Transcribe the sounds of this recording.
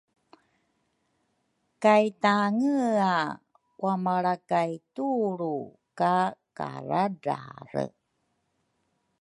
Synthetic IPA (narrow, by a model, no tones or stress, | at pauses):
kajtaŋəa | wamaɭakajtuɾu | kaka̰ɾada̰ɾə̰